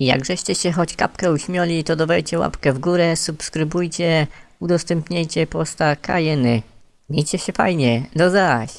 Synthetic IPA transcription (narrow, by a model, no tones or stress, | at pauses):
ija̰ɡʐɛɕt͡ɕɛɕɛxɔt͡ɕka̰pkɛuɕmʲjɔlʲit̪ɔd̪ɔvɛjt͡ɕɛwa̰pkɛvɡuɾɛsupskɾɘbujt͡ɕɛ | ud̪ɔst̪ɛmpɲejt͡ɕɛpɔst̪akʰa̰jɛnɘ | ɲʲejt͡ɕɛɕɛfajɲɛd̪ɔzaɕ